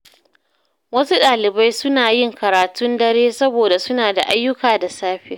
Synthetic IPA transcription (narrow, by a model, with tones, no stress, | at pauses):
wɐ˦su˦ɗaː˨lɪ˨ba˦jsʊ˦naː˨jɪ˦˨ŋkɐ˨ɾaː˨tʊ˦ndɐ˦ɽeː˦sɐ˦boː˨da˨sʊ˦naː˨da̰˨ʔa˦jːʊ˦kaː˨da˨saː˦ɸɪ˦